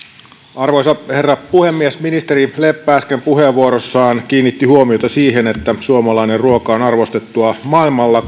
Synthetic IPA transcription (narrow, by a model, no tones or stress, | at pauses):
ɑrʋojsɑherːɑpuhemːiesminist̪eɾilepːæːskempuheʋːuoɾosːɑːnk̟iːnːit̪ːihuomiot̪ɑsiːɦenet̪ːæsuomɑlɑinerruokɑonɑrʋo̞st̪e̞t̪ːuɑmɑilmɑlːɑ